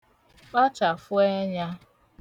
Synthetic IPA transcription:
k͡pa˦t͡ʃa˨fʊ˦e˦ɲa˦

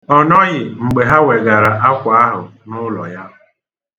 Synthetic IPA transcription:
ɔ˨nɔ˦ɣɪ˨ŋ͡m̩˨ɡ͡be˨ɦa˦we˨ɡa˨ɾa˨ʔa˦kʷa˨a˦ɦʊ˨nʊ˦lɔ̰˨ja˦˨

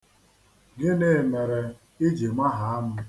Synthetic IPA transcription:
ɡe˦ne˨me˨ɾe˨ | i˦d͡ʒi˨mʷa˦ɦa˨˦a˦m̩˦

